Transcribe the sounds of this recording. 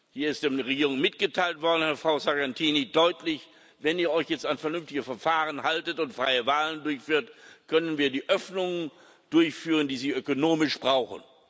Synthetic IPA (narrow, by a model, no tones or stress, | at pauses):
hiːɐɪstd̥eːʁeɡiːʁʊŋmɪt̚ɡ̥ətʰaɪltv̥ɔɐdn̩hɛɐfʁ̥aʊzaɐɡɛntʰiːnidɔʏtʰlɪç | vɛniːɐɔʏçjɛt͡stanfɛɐnʏmftɪɡəfɛɐfaːʁənhaltətʊntfʁ̥aɪəvaːləndʊɐçfyːɐtkʰœnənviːɐdiːʔœfnʊŋən | d̥ʊɐçfyːʁəndiːziːʔøkonoːmɪʃb̥ʁaʊxn̩